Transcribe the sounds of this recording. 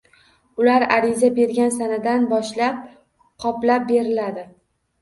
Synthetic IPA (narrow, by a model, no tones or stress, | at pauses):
ʊlaɾaɾɪzabe̞ɾɡʲansanɪd̪anbɒʃlap̚ | qʰɒplap̚be̞ɾɪlad̪ɪ